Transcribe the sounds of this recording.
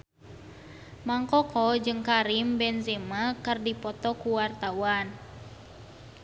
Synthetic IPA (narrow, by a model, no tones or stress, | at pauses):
maŋkɔkɔd͡ʒɨŋkaɾimbɛnzɛmakɨrdipɔt̪ɔkuwart̪awan